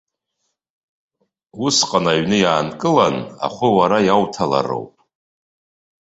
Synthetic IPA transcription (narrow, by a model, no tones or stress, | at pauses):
usqʼanaɥnɨjaːnkʼɨlana̰χʷʊwaɾajawtʰala̰ro̰wpʼ